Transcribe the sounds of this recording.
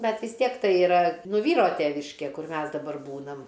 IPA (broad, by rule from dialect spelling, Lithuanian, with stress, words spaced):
ˈbʲɛt ʋʲɪs ˈtʲiɛk ˈtɐɪ ɪˈrɐ ˈnʊ ˈʋʲiːroː ˈtʲæːʋʲɪʃʲkʲeː ˈkʊr ˈmʲɛs dɐˈbɐr ˈbuːnɐm